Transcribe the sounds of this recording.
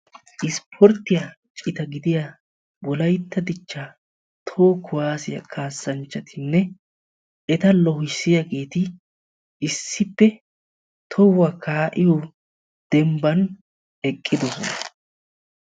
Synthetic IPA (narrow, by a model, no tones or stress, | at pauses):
ʔɪspʰɔɾt̪ːɪjɐ | t͡ʃʼɪt̪ɐɡɪd̪ɪja | bɔlɐjt̪ːɐd̪ɪt͡ʃːa | t̪ʰoːkʰʊwaːsɪjɐ̰kʰaːsːɐnt͡ʃːɐt̪ʰɪnːɛ | ɛt̪ɐlɔhɪsːɪjaɡe̞ːt̪ɪ | ɪsːɪpːɛ | t̪ʰɔwːɐkʰaːʔɪjo | d̪̥ɛmbɐn | ɛkʼːɪd̪ɔsɔnɐ